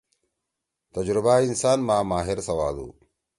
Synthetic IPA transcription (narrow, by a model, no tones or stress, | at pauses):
t̪ɐd͡ʒɾɪbaːɪnsaːnmaːmaːɦɪɾsɐwaːd̪ṵ